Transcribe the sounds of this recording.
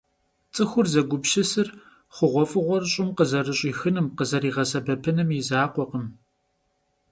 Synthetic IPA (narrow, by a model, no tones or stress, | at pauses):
t͡sʼɨxʷʊrzɐɡʷʊbʃɪsɨr | χʷʊʁʷɔfʼɨʁʷɔrɕʼɪmqəzɐrɨɕʼiːxɨnɨmqəzɐɾiːʁɐsɐbɐpʰɨnɨmjɪzaːqʷɔqəm